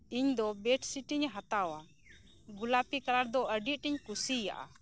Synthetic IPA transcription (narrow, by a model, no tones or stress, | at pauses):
iɲd̪ɔbɛʈʰsiʈiɲɦat̪awa | ɡulapikaɾaɾd̪ɔʔəɖit̪̚ʈiɲkusija̰ʔa̰